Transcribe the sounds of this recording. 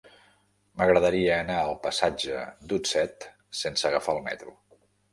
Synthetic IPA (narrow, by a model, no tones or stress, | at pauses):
məɣɾəðəɾiəːnaəlˠpəsad͡ʒəd̪usɛt̪ | sensəɣəfaəlˠmɛ̰t̪ɾu